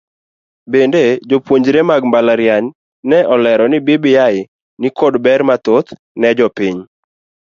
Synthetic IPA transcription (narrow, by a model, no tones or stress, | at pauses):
bended͡ʒopwoɲd͡ʒɾemaɡmbalaɾjaɲ | nɛʔɔlɛɾɔnɪbɪbɪjaɪ | nikodbɛɾmat̪ot̪ | nɛd͡ʒɔpiɲ